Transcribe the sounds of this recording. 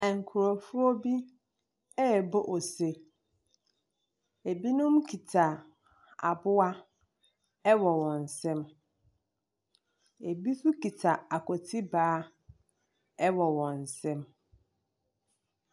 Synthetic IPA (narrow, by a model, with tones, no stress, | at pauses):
ɛ˨ŋ̩˨kʰʊ˨ɾɔ˨fʊ˦ɔ˦bi˦ | ɛ˦˨bɔ˦ʔɔ˨se˨ | e˨bi˦nʊ̃˦mkʰi˨tʰa˨ | a̰˨bʊ˦a˦ | ɛ˦wɔ˨wɔ̃˨n˨sɛ̃˦m | e˨bi˦su˦ki˨tʰa˨a˨kʰɔ˨tʰi˦baː˨˦ | ɛ˦wɔ˨wɔ̃˨n˨sɛ̃˦m